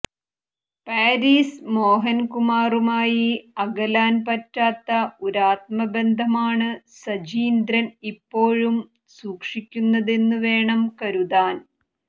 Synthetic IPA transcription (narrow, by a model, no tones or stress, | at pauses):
paːɾiːsmo̞ːɦɐnkumaːrumaːjiɐɡɐlaːnpɐtːaːt̪ːɐuɾaːt̪̚mɐbe̞nd̪ʱɐmaːɳɨsɐd͡ʑiːnd̪ɾɐnipːo̞ːɻum | suːkʂikʲːunːɐðe̞nːuʋe̞ːɳɐmkɐɾuðaːn